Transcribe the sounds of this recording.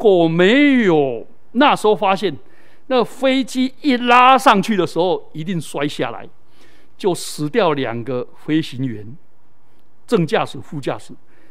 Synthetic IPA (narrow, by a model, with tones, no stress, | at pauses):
kwɔ˨˩me˨˦ɪjo˨˩ʊ | na˥˩ʂo˥˧fa˥ɕjɛ˥˨n | na˥˩ɡə˩fe˥˦ɪt͡ɕi˦i˥˩la˦ʂɑ˥˨ŋt͡ɕʰy˥˩d̪ə˩ʂɻ̩˧˦ho˥˧ʊi˧˥t̪i˥˩ŋswa˦ɪɕja̰˥˩la̰˨˦ɪ | t͡ɕjo˥˩ʊʂɻ̩˧˥t̪jɑ˥˨˩ʊlja̰˨˩ŋɡə˨ | fe˥˦ɪɕi˨˦nɥɛ˨˦n | ʈ͡ʂə˥˧ŋt͡ɕja˥˧ʂɻ̩˨˧˦fu˥˧t͡ɕja̰˥˩ʂɻ̩˨˩˦